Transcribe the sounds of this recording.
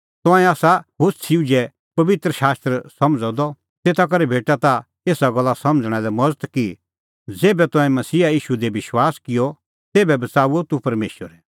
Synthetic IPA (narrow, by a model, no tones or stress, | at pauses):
t̪ɔ̃ɛ̃aːsabʊssʰiud͡ʒɛ | pɐʋɪt̪ɾəʃaːst̪ɾəsɐ̃md͡zɔ̃d̪ɔ | t̪eːt̪ʰak̬ɐɾɛbʱeːʈat̪a | eːsaɡɐlːasɐ̃md͡zɽ̃ɛ̃lɛmɔd͡zət̪ki | d͡zeːbɛt̪ɔ̃ɛ̃mɐsiːajiːʃud̪ebɪʃwaːskɪjɔ | t̪eːbɛbɐt͡saːuot̪upɐɾmḛːʃwəɾɛ